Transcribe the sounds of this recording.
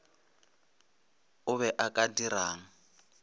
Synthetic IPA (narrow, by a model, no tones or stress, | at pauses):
ʊβɛʔakʼadiraːŋ̩